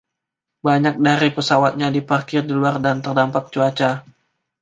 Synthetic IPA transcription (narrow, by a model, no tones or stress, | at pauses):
baɲak̚daɾipəsawat̪̚ɲadipakɪrdiluardant̪ərdampak̚t͡ʃuat͡ʃa